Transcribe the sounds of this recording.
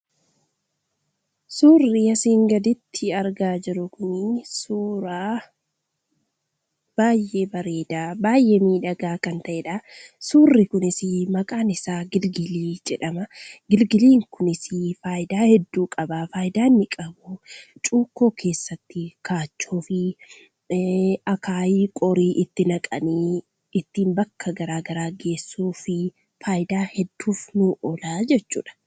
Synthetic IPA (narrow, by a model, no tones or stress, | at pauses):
suːrːɪɐsiːŋɡɐd̪ɪt̪ʰːɪɐɾɡaːd͡ʒɪɾʊkʊnɪsuːɾaː | b̥aːjʔe̞ːbɐɾe̞ːd̪aːbaːjʔːe̞ːmiːᶑɐɡaːkɐnt̪ɐʔɛᶑɐsuːrːɪkʊnɪsɪmɐkʼaːnɪsaːɡɪlɡɪliːd͡ʒɛᶑɐmɐɡɪlɡɪliːŋkʊnɪsɪfaːjɪd̪aːhɛd̪ːuːkʼɐbafaːjɪd̪aːnːɪkʼɐbʊt͡ʃʼuːkːoːkʰe̞ːsːɐt̪ːɪkaːt͡ʃːuːfɪ | ɐkʰaːjikʼɔɾiːʔɪt̪ːɪnɐkʼɐ̰niː | ɪt̪ːiːnbɐkʰːɐɡɐɾaːɡɐɾaːɡe̞ːsːuːfɪ | faːjɪd̪aːhɛd̪ːuːfnuʔɔlaːd͡ʒɛt͡ʃːṵːᶑɐ̥